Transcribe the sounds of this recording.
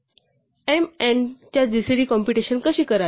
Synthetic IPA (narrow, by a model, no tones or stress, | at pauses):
ement͡ɕjad̪isɾiːkɔ̃mpiʈiɕənkəɕiːkəɾa